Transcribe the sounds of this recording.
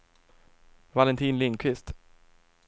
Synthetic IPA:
valɛnt̪ʰiːnlɪŋkʰvɪst̪

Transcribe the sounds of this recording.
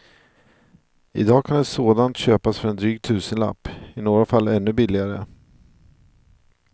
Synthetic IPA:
ɪ̰d̪ɑːkʰand̪ɛsoːd̪ant̪ɕøːpasfœɾɛnd̪ɾyːɡt̪ʰʉ̟ːsənla̰pːɪnoːɾafalːɛnːɵbɪlːɪɡaɾə

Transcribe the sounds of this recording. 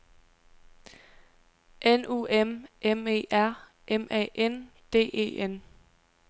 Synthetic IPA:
ʔenṵemʔeme̝̰ːæɐ̰ | ʔemʔɛ̰ːʔen | d̥e̝̰ːe̝̰ːen

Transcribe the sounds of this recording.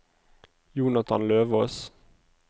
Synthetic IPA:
juːnɑt̪ʰɑ̰nløːʋɔs

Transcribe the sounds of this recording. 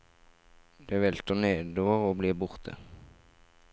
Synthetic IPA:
d̪̥eːʋɛlt̪əneːd̪oʁoːbliːbʊʁt̪ʰə̰

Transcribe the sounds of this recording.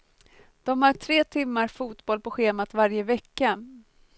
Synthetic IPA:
d̪̥ɔmhaʈʰɾeːt̪ʰɪmːaɾfuːt̪bɔlpɔɧeːmat̪vaɾjəvɛkːa

